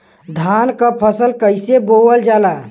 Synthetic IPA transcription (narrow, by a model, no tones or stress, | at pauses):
d̪ʱankapʰəsəlkəɪsebowəld͡ʒala